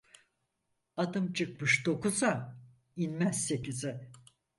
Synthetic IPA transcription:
ad̪ɯmt͡ʃʰɯk̚mɯʃd̪o̞kuza | inmæzse̞cizɪ

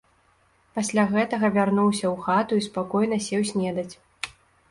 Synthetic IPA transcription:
pasʲlʲaɣɛt̪ɐɣɐvʲarnuwsʲɐwxat̪uispakɔjnɐsʲɛwsʲnʲɛd̪ɐt͡sʲ

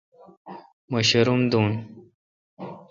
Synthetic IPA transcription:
məɕɐɾumd̪uːn

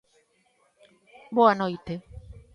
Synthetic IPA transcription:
boanojt̪e

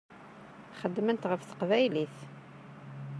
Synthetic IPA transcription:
χəd̪ːmənt̪ʁəfθə̥qvæjliθ

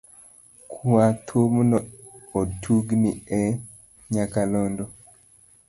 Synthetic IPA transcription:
kʰuat̪ʰomnɔ | otʰuɡniɛ | ɲakalɔndɔ

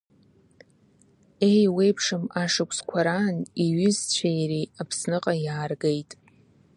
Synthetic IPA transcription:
e̞jwejpʰʂɨmaʂɨkʷʰʼskʷʰaɾaːniɥʏzt͡ɕʷʰajɾiapʰsnɨqʼajaːrɡejtʼ

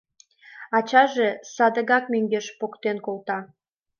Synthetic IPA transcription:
ɑt͡ɕɑʒesɑd̪əɣɑk̚møŋɡeʃpokt̪enkolt̪ɑ

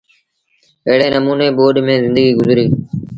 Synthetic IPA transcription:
əɦɪɽeːnəmuːneːɓoːɗmẽːzɪ̃nd̪əɡiːɡʊzɾiː

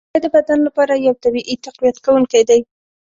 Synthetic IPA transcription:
jd̪əbad̪anlapɑɾajawt̪abiʔit̪aqwijat̪kawuŋkajd̪aj

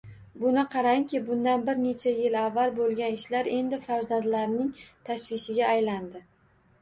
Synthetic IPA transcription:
bʊnɪqʰɑɾaŋkʲɪbʊnd̪anbɪɾne̞t͡ʃʰajɪlavːalbolˠɡʲanɪʃlaɾe̞nd̪ɪfaɾzand̪laɾnɪŋt̪ʰaʃvɪʃɪɡʲaːjland̪ɪ

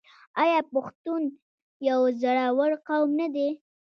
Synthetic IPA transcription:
ɑjɑpʊxt̪un | jawzaɽawaɽqawmnad̪e

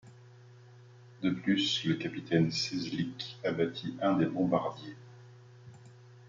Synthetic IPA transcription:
d̪əplysləkapit̪ɛnsezlikabat̪ʰiʔɛ̃d̪ebɔ̃baʁd̪je

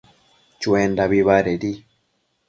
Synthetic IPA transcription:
t͡ʃweːndaβiβaɾeɾi

